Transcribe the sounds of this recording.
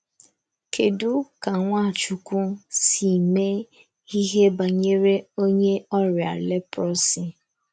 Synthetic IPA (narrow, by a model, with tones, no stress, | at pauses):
kʰe˨du˦ka˨ŋʷa˦˨t͡ʃu˨kʷu˦si˨me˦ | i˦ɦe˦ba˨ɲe˦ɾe˦o˦ɲe˦ɔ˦ɾja̰˨le˦pɾɔ˦si˨